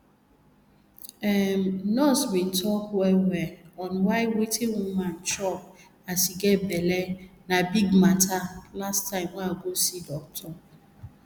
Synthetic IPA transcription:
ɛnɔswin̩tʰɔkwɛwɛɔnwaɪwetʰewuman̩t͡ʃɔp̚ | asiɡebelenabiɡmatʰalastːaɪ̃mwaaɡosidɔk̚tʰɔ

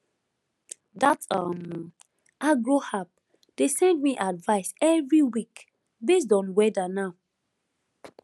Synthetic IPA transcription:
datʌm | ʔaɡɹohap̚ | d̥esɛ̃nd̚miʔadvaɪsɛvɹiwik | bes̬tɔ̃nwɛdanaʊ

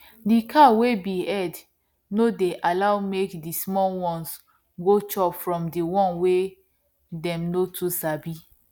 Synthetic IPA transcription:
dikʰawebiɛd | nodeʔalawmekdismɔlwɔ̃ns | ɡot͡ʃɔpfɹɔ̃mdiwɔ̃nwe | dɛ̃mnotʰusabi

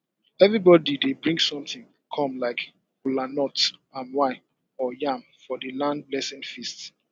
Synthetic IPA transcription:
ɛvɹibɔdidebɹĩŋɡsɔ̃mtĩŋ | kʰɔ̃mlaɪk | ulanɔtãnwaɪ | ɔjãmfɔdəlãnd̚blɛsĩnfist

